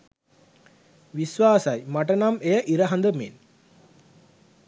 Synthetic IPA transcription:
ʋisʋaːsɐjmaʈənamejəʔiɾəɦɐnd̪əmen

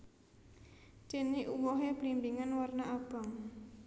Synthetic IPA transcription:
t͡ʃeniʔuwɔɦeb̥limbiŋanwarnaab̥a̤ŋ

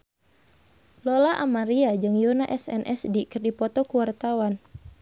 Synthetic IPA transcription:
lɔlaʔamaɾiad͡ʒɨŋjunaʔɛsɛ̰nʔɛsdikɨrdipɔt̪ɔkuwart̪awan

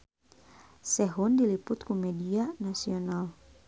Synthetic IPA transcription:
sɛɦundilipʊt̪̚kumɛdianasional

